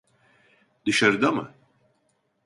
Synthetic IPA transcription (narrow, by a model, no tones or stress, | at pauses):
d̪ɯʃaɾɯd̪amɯ̰